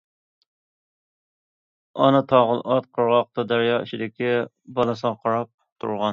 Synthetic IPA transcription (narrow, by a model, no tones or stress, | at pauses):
ɑnɨt̪ʰɑʁəlˠʔɑt̪̚qʰəɾʁɑq̚t̪ɑd̪æɾjɑːiʃid̪ɪkʲi | bɑlˠɨsəʁɑqʰɑɾɑp̚t̪ʰṵɾʁɑn